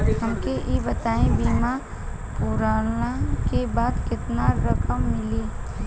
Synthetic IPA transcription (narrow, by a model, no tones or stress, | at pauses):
ɦɐmkeʔibɐt̪aːẽbiːma | pʊɾaːnakebaːd̪kɪt̪naɾəkəmːɪli